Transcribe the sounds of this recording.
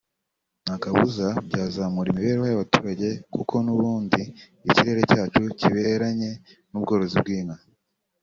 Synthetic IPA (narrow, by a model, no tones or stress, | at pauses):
nakaβuzabɟaːzamuɾimiβe̞ːɾehajaβatuːɾaɟe̞kukʰo̞nuβuːndiː | ciɾe̞ɾe̞caːt͡ʃuciβe̞ɾaɲe̞nubɡo̞ːɾo̞zib̚ɡiːŋa